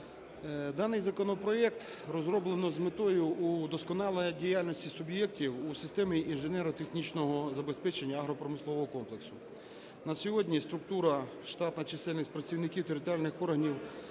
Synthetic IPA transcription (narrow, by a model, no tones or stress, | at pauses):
d̪ɑnɪjzɐkɔnɔpɾɔɛk̚t̪ | rɔzɾɔblˠenɔzmɪt̪ɔjʊud̪ɔskɔnɑlˠejdʲijalʲnʲɔsʲtʲisʊbjɛktʲiwusɪst̪ɛmiʔinʒenɛɾɔt̪exnʲit͡ʃnɔɦɔzɐbespɛt͡ʃenʲːɐːɦɾɔpɾɔmɪslˠɔʋɔɦɔkɔmplˠeksʊ | nɐsʲjɔɦɔdʲnʲist̪ɾʊk̚t̪uɾɐ | ʃt̪ɑt̪nɐt͡ʃɪsɛlʲnɪsʲpɾɐt͡sʲiwnɪkʲiwt̪eɾɪt̪ɔɾʲjalʲnɪxɔrɦɐnʲiw